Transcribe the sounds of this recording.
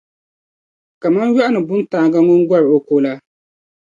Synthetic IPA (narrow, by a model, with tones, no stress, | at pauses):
ka˨ma˦nɥa˦ʔa˦nɨ˨bʊ˦ntaː˨ɡa˦ŋʊ˦n˦ɡʷɔ˦ɾɨ˨o˦koː˦la˦